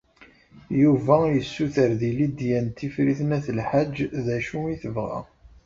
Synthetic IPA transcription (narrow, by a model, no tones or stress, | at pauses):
juvæjəsːuθəɾðilid̪jænt̪ːifɾiθnæθəlħad͡ʒːðæʃuiθəvʁæ̰